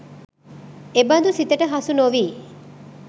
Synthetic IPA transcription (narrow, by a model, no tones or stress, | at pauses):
ebɐnd̪usit̪əʈəɦɐsunoʋiː